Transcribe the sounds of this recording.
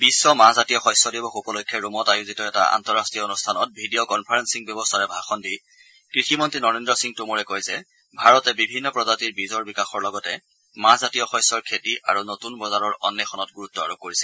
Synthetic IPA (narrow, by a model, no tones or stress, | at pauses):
bisːɔmazatijɔxɔjsːɔdibɔxupɔlojkʰːjɛɹumɔtajuzitɔɛta̰a̰ntɔɹastɹijɔonustʰanɔt̚bʱidiɔkɔnpʰaɹensiŋbjɔbɔstʰaɹɛbʱaxɔndi | kɹiximɔntɹinɔɹendɹɔsiŋtumuɹɛkojzɛ | bʱaɹɔtɛbibʱinːɔpɹɔzatiɹbizɔɹbikaxɔɹlɔɡɔtɛ | mazatijɔxɔ̃jsɔɹkʰetiʔa̰ɹunotunbɔzaɹɔɹɔ̰nːɛxʰɔnɔtɡuɹutːɔa̰ɹob̚kːoɹisɛl